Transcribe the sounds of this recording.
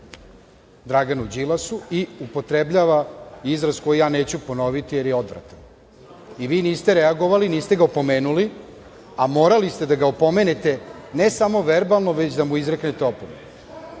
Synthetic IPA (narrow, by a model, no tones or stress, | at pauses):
d̪ɾaɡanud͡ʑilasuiupo̞t̪ɾe̞bʎaʋaizɾasko̞jijaːne̞ːt͡ɕupo̞no̞ʋit̪ije̞ɾjeo̞d̪ʋɾa̰t̪an | iʋiːniːst̪eɾeaɡo̞ʋaliniːst̪e̞ɡaopo̞me̞ːnuli | amo̞ːɾalist̪e̞d̪aɡaopo̞me̞net̪e̞ne̞samo̞ʋe̞ɾbalˠnoʋe̞t͡ɕd̪amuizɾekne̞t̪eo̞pomen